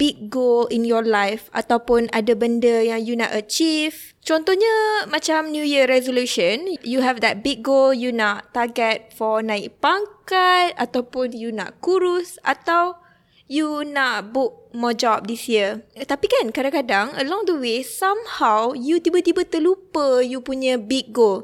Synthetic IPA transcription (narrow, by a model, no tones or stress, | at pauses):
b̥ik̚ɡolinjɔlajfʔa̰t̪awpʊnadəbəndəjaŋjuna̰ʔat͡ʃif | t͡ʃɔnt̪ɔhɲamãt͡ʃamnjujəɾɛzoluʃə̃njuɦɛvd̪ɛt̚biɡ̚ɡoljunaʔt̪aɡɛt̚fɔnãɪk̚paŋkat̚a̰t̪awpʊnjuna̰ʔkuɾʊsa̰t̪aw | junaʔbuʔ̚mɔd͡ʒɔp̚disjiət̪apikankadãŋkadaŋəlɔ̃ŋd̪əwesamhawjut̪ibat̪ibat̪əlupəjupuɲə̃bik̚ɡol